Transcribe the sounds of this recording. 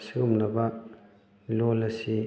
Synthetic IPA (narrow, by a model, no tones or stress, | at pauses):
siumnɐbɐ | lolɐsi